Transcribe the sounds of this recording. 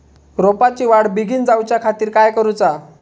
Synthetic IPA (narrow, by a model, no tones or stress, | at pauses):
ɾopat͡ɕiːʋaɽbiɡʱiːnd͡zawt͡ɕjakʰat̪iːɾkajkəɾut͡sa